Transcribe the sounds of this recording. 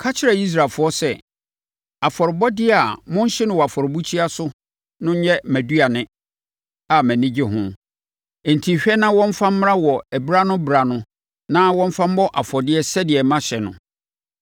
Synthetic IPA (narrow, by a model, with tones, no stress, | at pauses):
kʰa˦t͡ɕʰɪ˦ɾa˨i˦s̬ɾaː˨fʊ˦ɔ˦sɛ˦˨ | a˨fɔ˨ɾɪ˨bɔ˦dɪ˦˨a˨mʊ̃˦ɲ˦ɕɪ˦nʊ̃˨wɔ˨a˨fɔ˨ɾɪ˨bu˦t͡ɕʰi˦a˦sʊ˦ | nʊ̃˦ɲ˦ɲɛ˦mæ̃˨du˦a˨nɪ̃˦ | a˨mæ̃˨nɪ̃˦d͡ʑɪ˦ɦʊ̃˦ | ɛ˨n̩˨tʰĩ˨ɕᶣɛ˦nã˦wɔ̃˦m̩˦fã˦m̩˦m˦ɾa˦wɔ˨æ˨bɾa˦nʊ̃˦bɾa˨nʊ̃˦ | nã˦wɔ̃˦m˦fã˦m̩˦bɔ˦ʔa˨fɔ˨dɪ˦ɛ˦sɛ˦dɪ˨ɛ˨mã˦ɕɛ˨nʊ̰̃˨